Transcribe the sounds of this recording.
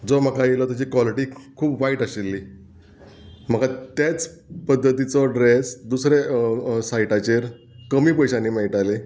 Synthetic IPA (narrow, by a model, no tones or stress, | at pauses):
d͡zom̤əkajelɔt̪at͡ɕiːkʋaliʈiːkʰuːpʋaiʈəɕelːiː | m̤əɡat̪et͡s | pəd̪ʱːət̪it͡sɔɖɾesd̪usɾesajʈat͡ɕeɾ | kəmiːpəjɕanːiːmɛɭiʈale